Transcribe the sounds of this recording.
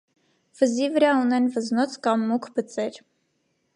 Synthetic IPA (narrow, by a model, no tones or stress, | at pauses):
v̥əzivəɾɑunɛnvəznɔt͡sʰkɑmːukʰbət͡sɛɾ